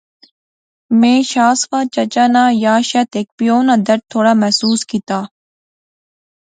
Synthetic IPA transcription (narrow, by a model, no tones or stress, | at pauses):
mẽːʃaːsʋaːt͡ʃɐt͡ʃaːnaːjaːʃɛt̪eːk̚pijoːnaːd̪ɐɾ̚t̪ʰːoːɽaːmɛɦsuːskit̪aː